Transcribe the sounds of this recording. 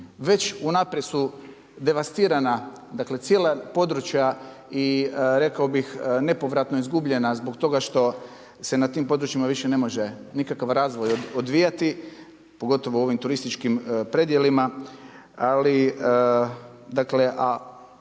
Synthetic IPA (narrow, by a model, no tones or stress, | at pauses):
ʋe̞t͡ʃunapɾesu | d̪e̞ʋast̪iːɾana | d̪akle̞t̪sje̞ːlapo̞d̪ɾut͡ʃja | iɾe̞kaobixne̞po̞ʋɾat̪noizɡubʎe̞nazbo̞kt̪o̞ɡaʃt̪o̞ | se̞nat̪iːmpo̞d̪ɾut͡ʃimaʋiʃene̞mo̞ʒe̞nikakaʋɾaːzʋo̞jod̪ʋijat̪i | po̞ɡo̞t̪o̞ʋoo̞ʋimt̪uɾist̪it͡ʃkimpɾe̞d̪je̞lima | ali | d̪akle̞ʔa